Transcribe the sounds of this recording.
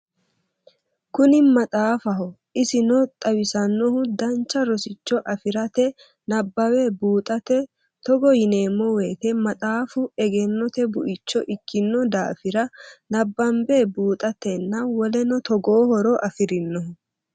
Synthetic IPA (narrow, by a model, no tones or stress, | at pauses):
kʊnɪmɐt̪ʼaːfɐɦɔ | ɪsɪnɔt̪ʼɐwɪsɐnːɔhʊd̪ɐnt͡ʃːɐɾɔsɪt͡ʃːɔʔɐfɪɾɐt̪ɛ | nɐbːɐweːbuːt̪ʼɐt̪ɛ | t̪ɔɡɔjɪneːmːɔweːt̪ɛmɐt̪ʼaːfʊɛɡɛnːɔt̪ɛbʊʔɪt͡ʃːɔʔɪkʰːɪnːɔd̪a̰ːfɪɾɐnɐbːɐmbeːbuːt̪ʼɐt̪ːɛnːɐwɔlɛnɔt̪ɔɡoːhɔɾɔʔɐfɪɾɪnːɔɦʊ